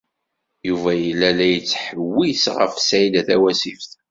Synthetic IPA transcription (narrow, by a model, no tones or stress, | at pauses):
juvæjəlːælæjət͡sːħəwːisʁə̰fsæilæθæwæsifθ